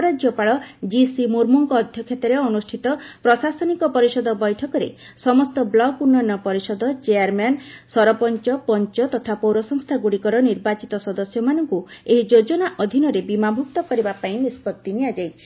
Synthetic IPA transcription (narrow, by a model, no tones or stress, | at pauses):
ɾad͡ʒjɔpaɭɔd͡ʒisimoɾmuŋkɔːd̪ʱjɔkʰjet̪ɔɾeɔnusʈʰit̪ɔpɾɔsasɔnikɔpɔɾisɔd̪ʱɔbɔjʈʰɔkɔɾḛ | sɔmɔst̪ɔblɔɡunːanːɔpɔɾisɔd̪ʱɔt͡ʃeaɾmansɔɾɔpɔnt͡ʃɔpɔnt͡ʃɔt̪ɔt̪ʰapowɾɔsɔŋst̪ʰaɡuɽikɔɾɔniɾbat͡ʃit̪ɔsɔd̪ɔsjɔmanɔŋkueɦid͡ʒod͡ʒɔnaʔɔd̪ʱinɔɾebimabʱuk̚t̪ɔkɔɾibapaĩnispɔt̪ːiniad͡ʒajt͡ʃʰi̥